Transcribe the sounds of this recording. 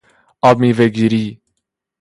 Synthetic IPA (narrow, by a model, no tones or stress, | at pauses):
abmiveɡiɾiː